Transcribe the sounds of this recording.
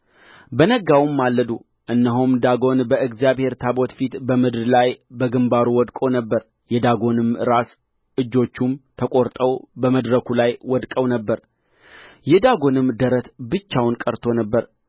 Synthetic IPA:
bənəɡawmːalːəd̪u | ʔɨnːəɦumd̪aɡo̞nbəɨɡzijaβhe̞ɾt̪ʰabo̞t̪fit̪bəmɨd̪ɾlajbəɡɨmbaɾuwɔd̪kʼo̞nəbːəɾ | jɛd̪aɡo̞nɨmɨɾas | ʔɨd͡ʒːo̞t͡ʃːumt̪ʰəkʼo̞ɾt̪ʼəwbəməd̪ɾəkʰulajwɔd̪kʼəwnəbːəɾ | jɛd̪aɡo̞nɨmd̪əɾət̪bɨt͡ʃːawnkʼəɾt̪ʰo̞nəbːəɾ

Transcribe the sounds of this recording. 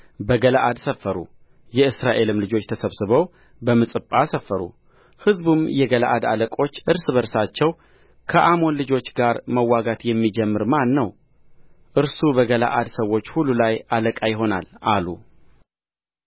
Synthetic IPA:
bəɡəlaʔad̪səfːəɾṵ | jɛɨsɾaʔe̞lɨmlɨd͡ʒo̞t͡ʃːt̪ʰəsəβsɨβəw | bəmɨsʼɨpʼːasəfːəɾṵ | hɨzbumjɛɡəla̰ʔad̪a̰ləkʼo̞t͡ʃːʔɨɾsɨβəɾsat͡ʃːɛw | kʰəʔamo̞nlɨd͡ʒo̞t͡ʃːɡaɾməwːaɡat̪jɛmːid͡ʒɛmːɨɾmanːəw | ʔɨɾsubəɡəla̰ʔad̪səwːo̞t͡ʃːhulːulajaləkʼajɪɦo̞na̰lʔalu

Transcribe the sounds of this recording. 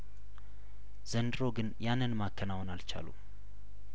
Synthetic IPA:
z̥ənd̪ɾo̞ɡɨnjanːɨnmakʰːənawnalt͡ʃʰa̰lṵ

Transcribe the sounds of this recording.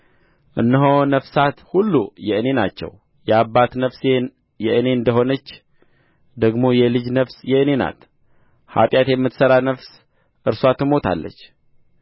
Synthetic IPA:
ʔɨnːəɦo̞nəfsat̪hulːujɛɨne̞nat͡ʃːɛ̰w | jɛabːat̪nəfse | jɛʔɨne̞ɨnd̪əɦo̞nət͡ʃː | d̪əɡmo̞jɛlɨd͡ʒnəfsjɛɨne̞na̰t̪ | ha̰t̪ʼjat̪jɛmːɨt̪səɾanəfs | ʔɨɾswat̪ʰːɨmo̞t̪ʰa̰lːə̰t͡ʃː

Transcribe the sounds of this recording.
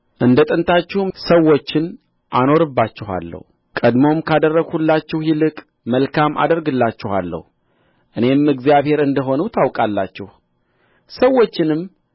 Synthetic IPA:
ʔɨnd̪ət̪ʼɨnt̪ʰat͡ʃːɪhmsəwːo̞t͡ʃːɪn | ʔano̞ɾɨbːat͡ʃːɪɦa̰lːə̰hu | kʼəd̪mo̞mkʰad̪ərːəɡhulːat͡ʃːɛhjɪlɨkʼ | məlkʰamʔa̰d̪əɾɡɨlːat͡ʃːɪha̰lːə̰h | ʔɨne̞mɨɡzijaβhe̞ɾɨnd̪əɦo̞nut̪ʰawkʼalːa̰t͡ʃːɛh | səwo̞t͡ʃːɪnɨm

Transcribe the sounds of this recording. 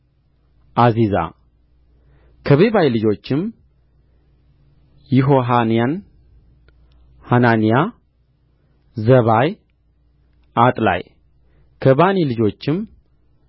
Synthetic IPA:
ʔaziza̰ | kʰəβeβajlɨd͡ʒo̞t͡ʃːɪm | jɪɦo̞ɦanijan | hananija | zəβaj | ʔat̪ʼla̰j | kʰəbanilɨd͡ʒo̞t͡ʃːɪm

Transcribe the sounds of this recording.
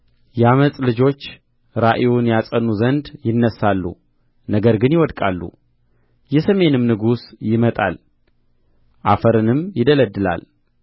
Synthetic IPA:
jɛaməsʼlɨd͡ʒo̞t͡ʃː | ɾaʔewunjasʼənːuzənd̪jɪnːəsːalːṵ | nəɡəɾɡɨnjɪwɔd̪kʼalːṵ | jɛsəme̞nɨmnɨɡusjɪmət̪ʼa̰l | ʔafəɾɨnɨmjɪd̪ələd̪ːɨla̰l

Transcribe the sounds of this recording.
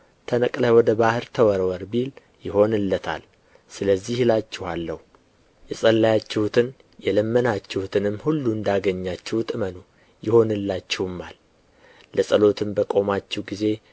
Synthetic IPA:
t̪ʰənəkʼləwɔd̪əbahɨɾt̪ʰəwɔɾwɔɾbil | jɪho̞nɨlːət̪ʰa̰l | sɨləzːihlat͡ʃːɛhalːəhu | jɛsʼəlːajat͡ʃːɛhut̪ʰɨn | jɛləmːənat͡ʃːɛhut̪ʰɨnɨmːhulːuɨnd̪aɡəɲːat͡ʃːɛht̪ʼɨməno | jɪho̞nɨlːat͡ʃːɛwɨmːal | ləsʼəlo̞t̪ʰɨmbəkʼo̞mat͡ʃːɛwɡize̞

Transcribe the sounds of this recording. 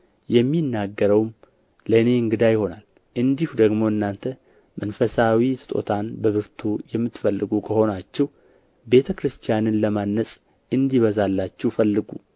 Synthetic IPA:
jɛmːinːaɡːəɾəwm | ləɨne̞ɨŋɡɨd̪ajɪho̞nal | ʔɨnd̪ihud̪əɡmo̞ɨnːant̪ʰə | mənfəsawisʰɨ̥t̪ʼo̞̰t̪ʰanbəβɨɾt̪ʰujɛmːɨt̪ːfəlːɨɡukʰəho̞nat͡ʃːɛw | be̞t̪ʰəkɾɨst̪ʰijanɨnləmanːəsʼ | ɨnd̪iβəzalːat͡ʃːɛwfəlːɨɡu

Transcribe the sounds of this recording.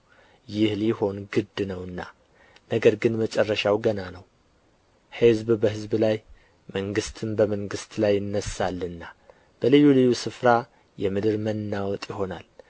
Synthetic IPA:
jɪhliho̞nɡɨd̪nəwɨnːa | nəɡəɾɡɨnmət͡ʃʼɛrːəʃawɡənanəw | hɨzbbəhɨzblaj | məŋɡɨst̪ʰɨnbəməŋɡɨst̪ʰlajːɨnːəsalːɨnːa | b̥əlɨjːulɨjːusɨfɾa | jɛmɨd̪ɨɾmənːawɔt̪ʼjɪho̞nal

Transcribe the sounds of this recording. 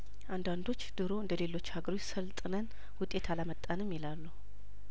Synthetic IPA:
ʔand̪and̪o̞t͡ʃːd̪̥ɨɾo̞ɨnd̪əle̞lo̞t͡ʃːhaɡəɾotsəlt̪ʼɨnən | wʊt̪ʼe̞t̪ʰalamət̪ʼːanɨmːilalːu

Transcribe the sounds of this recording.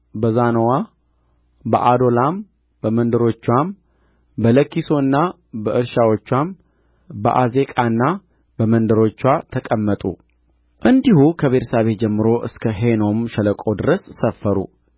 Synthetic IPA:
bəzanəwa | bə̰ʔad̪o̞lam | bəmənd̪əɾo̞t͡ʃːwam | bələkːiso̞ɨnːa | bəʔɨɾʃawot͡ʃːwam | bə̰ʔaze̞kʼaɨnːa | bəmənd̪əɾo̞t͡ʃːwat̪ʰəkʼəmːət̪ʼṵ | ʔɨnd̪ihukʰəβe̞t̪ʰə̥saβe̞t̪̚d͡ʒɛmːɨɾo̞ʔɨ̰skʰəɦeno̞mʃɛləkʼo̞d̪ɨɾəsːəfːəɾṵ

